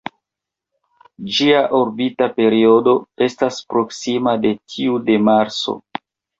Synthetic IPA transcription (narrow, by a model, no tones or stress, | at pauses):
d͡ʒiaʔoɾbitape̞ɾio̞do̞e̞staspɾo̞ksimade̞tʰiude̞maɾt͡so̰